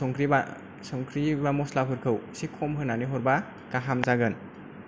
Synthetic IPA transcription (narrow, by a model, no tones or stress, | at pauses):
ɔŋkɾiba | sɔŋkʰɾibamɔslapʰɯɾkʰɯwsikʰɔmɦɯnaniɦɔɾba | kaɦamzaɡɯn